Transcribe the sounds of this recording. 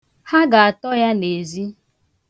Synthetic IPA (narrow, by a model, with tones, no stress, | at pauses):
ha˦ɡa˨a˨tɔ˦ja˦ne˨zi˦